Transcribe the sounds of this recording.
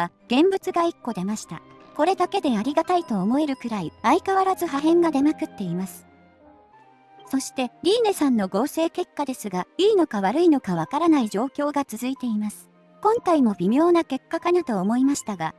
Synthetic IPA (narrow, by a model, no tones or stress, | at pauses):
aɡ̥ẽ̞mbɯ̟t͡sɨɡaikːo̞d̪e̞maɕi̥t̪a̰ | ko̞ɾe̞d̪ake̞d̪e̞aɾʲiɡat̪ait̪o̞ːmo̞e̞ɾɯ̟kɯ̟ɾaiaikaβaɾazɨɦaɦẽ̞ŋɡad̪e̞makɯ̟t̪ːe̞imasɨ̥ | so̞ɕi̥t̪e̞ɾʲiːne̞sãnːo̞ɡo̞ːse̞ːke̞kːad̪e̞sɨɡaiːno̞kaβaɾɯ̟ino̞kaβ̞akaɾanaiʑo̞ːkʲo̞ːɡat͡sɨzɨit̪e̞imasɨ̥ | kõ̞ŋkaimo̞bʲimʲo̞ːnake̞kːakanat̪o̞ːmo̞imaɕi̥t̪aɡa